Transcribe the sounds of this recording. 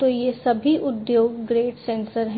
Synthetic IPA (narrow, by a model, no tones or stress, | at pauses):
t̪ojesɐbʱiʔʊd̪joːɡːɾeːʈsẽːnsəɾɦ